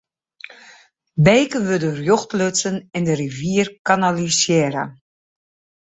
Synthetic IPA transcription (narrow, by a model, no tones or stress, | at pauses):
bejkəʋødərjɔxtløt͡sənɪndərivjiərkanalisjeːɾə̰